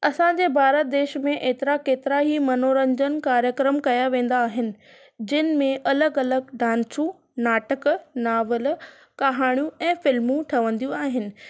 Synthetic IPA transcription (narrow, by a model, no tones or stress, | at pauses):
ɐsãd͡ʑeːbʱaːɾət̪̚d̪eːʃmẽʔeːt̪ɪɾakeːt̪ɪɾaɦimɐnoːɾə̃ɲd͡ʑənkaːɾjəkɾəmkɐjaʋẽːn̆d̪aːɦɪnɪ̆ | d͡ʑɪnɪ̆mẽʔɐləɡɐləɡɖaːnsũ | naːʈəknaːʋəl | kaɦaːɽ̃jũɛ̃ːfɪlmũʈʰɐʋə̃nd̪iũaːɦɪnɪ̆